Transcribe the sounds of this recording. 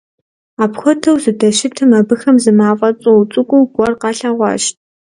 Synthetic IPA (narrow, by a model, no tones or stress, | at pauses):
aːpxʷɔtʰɐwzɨdɐʃɪtʰɨmɐbɨxɐmzɨmaːfʼɐt͡sʼuut͡sʼɨkʷʼʊwɡ̥ʷɔrqɑːɬaːʁʷɑ̰ʃt̚ʰ